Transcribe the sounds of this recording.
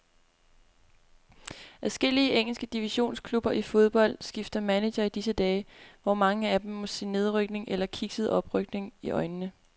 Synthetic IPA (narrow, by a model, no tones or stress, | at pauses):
ʔæsɡ̥e̝l̰iəʔeŋ̰l̩sɡ̥əd̥iʋiɕo̝̰ːnskʰlub̥ɐʔifo̝ð̞ˠb̥ɒ̽l̰d̥sɡ̥ifd̥ɐmæne̥ɐid̥isəd̥ɛːʋɒmɑ̈ŋəæd̥em̩ːɒ̽sinːe̝ð̞ˠʁœɡ̥ne̝ŋʔelɐkʰiɡ̥səðˠɒ̽b̥ʁœɡ̥ne̝ŋiʔɒ̽ɪnənə